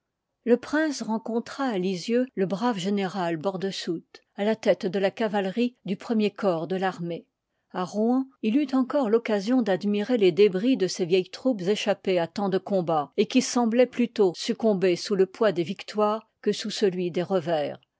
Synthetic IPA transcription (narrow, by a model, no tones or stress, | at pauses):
ləpχɛ̃sʁɑ̃kɔ̃t̪χaːlizjøləbʁavʒeneʁalbɔʁd̪əsut̪ | alat̪ɛt̪d̪əlakavalʁid̪ypχəmjekɔːʁd̪əlaʁme | aʁɑ̃ilyt̪ɑ̃kɔʁlɔkazjɔ̃d̪ad̪miʁeled̪ebʁid̪əsevjɛjt̪χupzeʃapeat̪ɑ̃d̪əkɔ̃baekʲisɑ̃blɛplyt̪osykɔ̃besuləpwad̪evikt̪waːʁ | kəsusəlɥid̪eʁəvɛːʁ